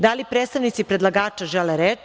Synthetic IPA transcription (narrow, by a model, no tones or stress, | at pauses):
d̪alipɾet̪st̪aʋnit̪sipɾed̪lˠaɡaːt͡ʃaʒeleɾeːt͡ʃ